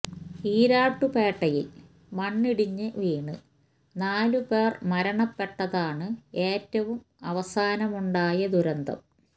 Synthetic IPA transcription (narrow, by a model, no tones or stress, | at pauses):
iːɾaːʈːupeːʈːɐjḭl | mɐɳːiɽiɲːɨʋiːɳɨ | naːlupe̞ːrmɐɾɐɳɐpːe̞ʈːɐðaːɳɨe̞ːtːɐʋum | ɐʋɐsaːnɐmuɳɖaːjɐd̪uɾɐnd̪ɐ̰m